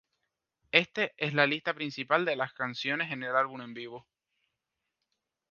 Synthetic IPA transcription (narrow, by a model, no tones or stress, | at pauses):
e̞st̪eʔe̞slalist̪apɾinsipald̪e̞laskansjo̞ne̞se̞ne̞lalβune̞mbiβo